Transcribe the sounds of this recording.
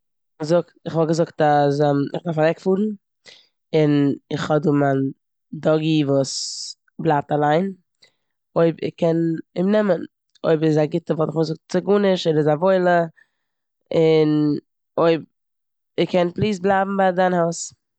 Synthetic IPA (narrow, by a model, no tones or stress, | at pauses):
zʊktɪχvɔlˠɡəzʊktazamɪχdaɾfavɛkfuːɾn̩ | ɪnɪχhɔduːman | dɔɡivuːs | blˠaːp̚talˠaɪn | oɪbɪ̰χkɛnɪmnɛmən | o̰ɪbsɪzaɡɪtəvɔlˠtɪχɔzʊk̚tt͡sɪɡunɪʃɔɪbɪzavoɪlˠə | ɪn | oɪb̚ | ɪkʰɛnplˠiːs̬̚blˠaɪbm̩baɪdanhaʊs